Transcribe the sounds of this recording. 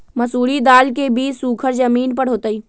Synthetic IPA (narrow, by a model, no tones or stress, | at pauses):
mɐsuːɾid̪aːlkebiːt͡ʃsuːkʰəɾd͡ʒəmiːnpɐɽɦoːt̪əiː